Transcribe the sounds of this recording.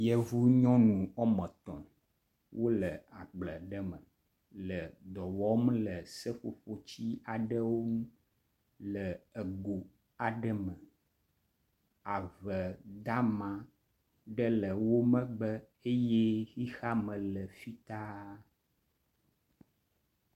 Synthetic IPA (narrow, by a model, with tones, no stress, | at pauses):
jɛ˨vu˦ɲɔ̃˦nũ˨ɔ˦mə̃˨t̪ɔ̰̃˨ | wʔo˦lə˨a˨ɡ͡blə˨ɖə˦mə̃˨ | lə˨d̪ɔ˨wɔ˦m˦lə˨sə˦ɸo̰˨ɸo˦t͡ɕi˦a˨ɖə˦wo˦nũ˦ | lə˨ə˨ɡo˨ | a˨ɖə˦mə˨ | a˨və˨d̪a˦mã˨ | ɖə˦lə˨wo˦mə̃˦ɡ͡bə˦ | e˦jɛ˦xi˦xa˦mə̃˨lə˨fi˦t̪a˦